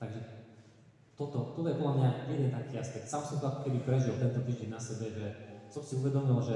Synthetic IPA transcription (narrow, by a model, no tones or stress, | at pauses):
t̪aɡʒɛ | t̪ɔt̪ɔt̪ɔt̪ɔjɛpɔd̪lamɲajɛd̪ɛnt̪akiaspɛk̚t̪samsɔmt̪ɔako̥kɛd̪ipɾɛʒɛlt̪ɛnt̪ɔt̪iːʒd͡ʑɛɲnːasɛbɛʒɛt͡s̪ɔmsiuvɛd̪ɔmilˠɔʒɛ